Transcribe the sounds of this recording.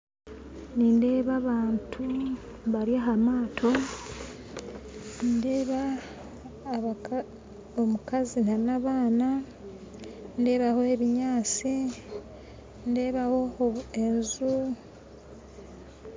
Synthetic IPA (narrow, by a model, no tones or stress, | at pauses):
niːnde̞ːβaβaːntʰu | βaɾjaɦamaːtʰo̞ | ndeːβa | omukazinanaβaːna | nde̞ːβaho̞e̞βiɲaːt͡si | nde̞ːβaho̞enzu